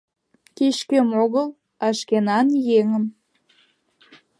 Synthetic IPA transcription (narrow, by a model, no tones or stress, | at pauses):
keɕkømoɣəl | ɑʃkenɑnjeŋəm